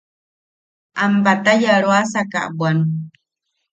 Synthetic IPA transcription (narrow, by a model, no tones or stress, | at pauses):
ʔambat̪ajaɾwasaka̰ʔbwan